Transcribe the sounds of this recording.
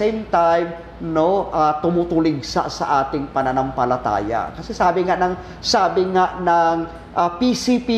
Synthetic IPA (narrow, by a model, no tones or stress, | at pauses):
ɛjmt̪ajm | noʔat̪ʊmut̪ʊlɪɡsa̰ʔsɐ̰ʔaːt̪ɪŋpɐnɐnɐmpɐlɐt̪a̰ːja̰kɐsɛsaːbɪŋaʔnɐŋ | saːbɪŋaʔnɐŋ | ʔapisipi